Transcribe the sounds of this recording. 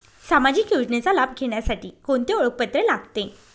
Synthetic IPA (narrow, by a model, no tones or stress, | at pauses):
samad͡ʑiːkjuʈnet͡salab̚ɡʱeɳjasaʈiːkoɳt̪eoɭək̚pət̪ɾelaɡt̪e